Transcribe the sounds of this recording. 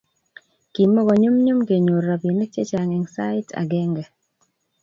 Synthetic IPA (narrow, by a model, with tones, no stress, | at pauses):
ki˨mɔ˦ɡɔ˨ɲu˦mɲu˦mke˨ɲo˨ɾa˨bi˨ne˦k̚t͡ʃe˦t͡ʃa˨ŋɛ˨ŋsa˦ɪ˦tʰa̰˨ɡɛ˦ŋɡɛ˨